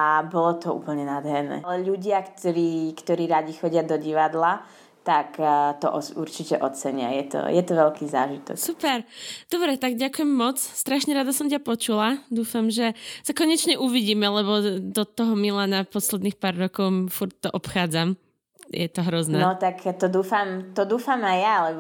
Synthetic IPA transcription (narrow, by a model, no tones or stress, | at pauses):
ʔabɔlɔt̪ɔṵːpl̩ɲɛnad̪ɦɛɾnɛ̰ːlɛʎuɟɪakt̪ɔɾiːkt̪ɔɾiːɾaɟixɔɟɪad̪ɔɟiʋad̪la | t̪akt̪ɔ̰ʔɔuɾt͡ʃicɛʔɔt͡sɛɲɪa̰jɛt̪ɔ̰jɛt̪ɔʋɛʎkiːzaːʒit̪ɔ̰ksupɛɾd̪̥ɔbɾɛt̪aɡɟakujɛmːɔt͡sst̪ɾaʃɲɛɾad̪asɔmcʲapɔt͡ʃulad̪uːfamʒɛsakɔɲɛt͡ʃɲɛʔuʋiɟiːmɛlɛβɔd̪ɔt̪ɔɦɔmilaːnapɔslɛd̪niːxpaːɾːɔkɔʊfuɾc̚t̪ɔʔɔpxaːd͡zam | jɛt̪ɔɦɾɔznɛnɔt̪akt̪ɔd̪uːfamt̪ɔd̪uːfamajjalɛ